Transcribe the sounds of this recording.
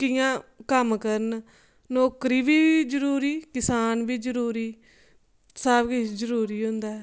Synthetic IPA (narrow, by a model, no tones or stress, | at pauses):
kɪjãːkəmkəɾən | noːkɾiːʋiːd͡ʒəɾuːɾiːkɪsaːnʋiːd͡ʒəɾuːɾiː | saːbkɪd͡ʒəɾuːɾiːɦʊ̃nd̪aːɛː